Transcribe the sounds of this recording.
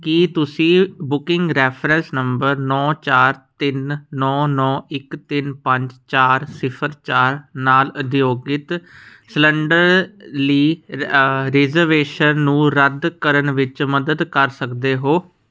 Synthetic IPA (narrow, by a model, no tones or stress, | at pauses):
kit̪ʊsĩːbʊkɪ̃ŋɡɾɛːpʰɾɛ̃nsnəmbəɾnɔːt͡ʃaːɾt̪ɪnːɔːnɔːɪkt̪ɪnpəɲd͡ʒt͡ʃaːɾsɪpʰəɾt͡ʃaːɾnaːlʊd̪joːɡɪt̪sləɳɖəɾliː | ɾɪzəɾʋeːʃənːũːɾəd̪kəɾənʋɪt͡ʃməd̪əd̪kəɾsəkd̪eːɦoː